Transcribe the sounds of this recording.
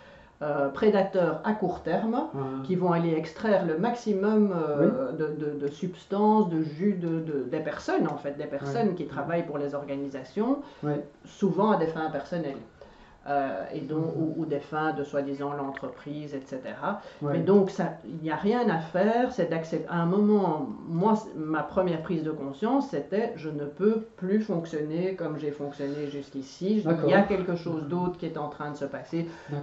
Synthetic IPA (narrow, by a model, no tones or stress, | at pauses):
øpχed̪at̪œːʁakuʁt̪ɛʁmkʲivɔ̃aleɛkst̪χɛːʁləmaksimɔmød̪əd̪əd̪əsypst̪ɑ̃sd̪əʒyd̪əd̪əd̪epɛʁsɔnɑ̃fɛt̪̚d̪epɛʁssɔnkʲit̪χavajpuʁlezɔʁɡanizasjɔ̃ | suvɑ̃ad̪efɛ̃pɛʁsɔnɛl | øḛd̪ɔ̃kuud̪efɛ̃d̪əswad̪izɑ̃lɑ̃t̪χəpχiːzɛt̪set̪eʁamɛd̪ɔ̃ksainijaʁjɛ̃nafɛːʁsɛd̪aksɛaɛ̃mɔmɑ̃mwasmapχəmjɛʁpχiːzd̪əkɔ̃sjɑ̃sːet̪ɛʒənəpøplyfɔ̃ksjɔnekɔmʒefɔ̃ksjɔneʒyskʲisiʒliakʲɛlkəʃoːzd̪oːt̪χkʲiɛt̪ɑ̃t̪χɛ̃d̪əsəpase